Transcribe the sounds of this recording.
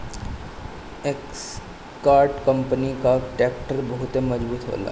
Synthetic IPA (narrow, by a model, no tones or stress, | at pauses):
eks | kaːɾʈkɐ̃mpnikaʈɛːk̚ʈəɾbɐɦʊt̪emɐd͡ʒbuːt̪ɦo̰ːla̰ː